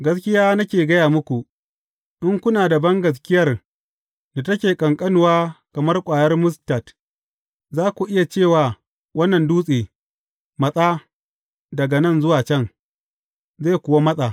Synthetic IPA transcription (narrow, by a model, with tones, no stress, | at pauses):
ɡɐ˦skʲɪ˦jaː˦nɐ˦kʲeː˨ɡɐ˦jaː˨mʊ˦kʷu˨ | ʔɪ˦ŋkʷʊ˦naː˨da˨bɐ˦ŋɡɐ˨s̬kʲɪ˦jɐ˦r | na˨tɐ˦kʲeː˨kʼɐ˨ŋkʼɐ˦nʊ˨waː˦kɐ˨mɐ˦rkʷʼaː˨jɐ˦rmʊ˦sta˨t | zaː˦kʷu˨ʔɪ˦ja˨t͡ʃeː˦˨waː˨ | wɐ˦nːɐ˨nduː˦sʼeː˨ | mɐ˨sʼaː˦ | dɐ˨ɡa˨nɐ˦˨nzʊ˦waː˨t͡ʃɛ˦ŋ | zeː˦˨kʷʊ˨wa˦mɐ˦sʼa˨